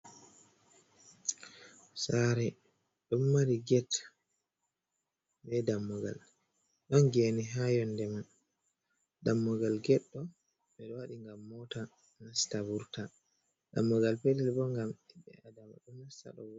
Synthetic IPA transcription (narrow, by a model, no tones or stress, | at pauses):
saɾɛ | ɗɔmːaɾiɡɛt | bɛdamːɔɡa̰l | ɗɔnɡeniɦajɔndɛman | damːɔɡalɡɛɗːɔ | ɓɛɗɔwaɗiŋɡamːɔta | nastabuɾta | damːɔɡalpɛdɛlbɔŋɡamtiɓːɛ̰adama̰ɗɔnasta̰ɗɔ̰w